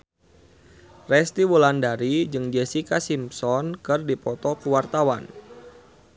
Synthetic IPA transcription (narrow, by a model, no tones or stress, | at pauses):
rɛst̪iwulandaɾid͡ʒɨŋd͡ʒesikasimsɔnkɨrdipɔt̪ɔkəwart̪awa̰n